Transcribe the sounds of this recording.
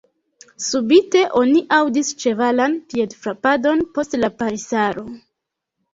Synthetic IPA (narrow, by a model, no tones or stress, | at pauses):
subite̞ʔo̞niʔawdist͡ʃe̞valanpie̞dfɾapado̞npo̞stlapaɾisaɾo̞